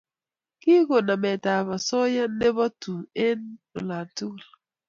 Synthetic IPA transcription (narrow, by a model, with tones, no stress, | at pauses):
ki˦ɣo˨na˨me˨ta˨βɔ˨sɔ˦ja˦n̩˦ne˦bɔ˦tu˨e˦n̩˦o̰˨la˨n˨tu˦˨l